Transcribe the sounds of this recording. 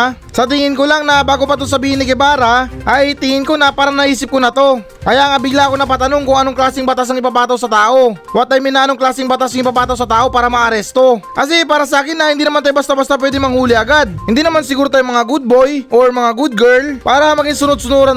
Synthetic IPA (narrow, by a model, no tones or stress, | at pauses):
sɐt̪ɪŋɪnkolaŋnɐbaːɡo̞pɐt̪osɐbiːhɪnːɪkɪbaːɾɐʔɐjt̪ɪŋɪnko̞nɐpaːɾɐnɐʔiːsɪp̚konɐt̪o̞ | kɐjaʔɐŋɐbɪɡlaɐko̞nɐp̬at̪ɐnoŋkʊŋɐnoŋklaːsɪŋbɐt̪as̬ɐŋɪpapaːt̪ɐwsɐt̪aːʔo̞wɐt̪ajmɪnɐʔɐnoŋklaːsɪŋbɐt̪asɪɐŋɪpaːpaːt̪ɐwsɐt̪aːʔo̞paːɾɐmɐʔɐɾɛst̪o̞kɐs̬ɛpaːɾɐsɐʔaːkɪnːɐhɪnd̪iːnɐmant̪ajobɐst̪abɐst̪apwɛːd̪ɪŋmɐŋhuːlɪɐɡad̪̚hɪnd̪iːnɐmansɪɡuːɾot̪aːjʊŋmɐŋaɡud̪̚bo̞jʔoɹmɐŋaɡud̪̚ɡɛɹlpaːɾɐmɐɡiŋsʊnod̪̚sʊnoɾɐ